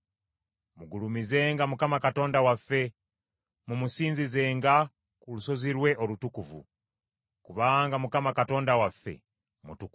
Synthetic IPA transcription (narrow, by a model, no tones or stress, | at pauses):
muɡulumize̞ːŋɡamukamakato̞ːndawafːe̞ | mumusiːnzize̞ːŋɡa | kuluso̞ziɾwe̞ʔolutukuvṵ | kuβaŋɡamukamakato̞ːndawafːe̞̰ | mutuku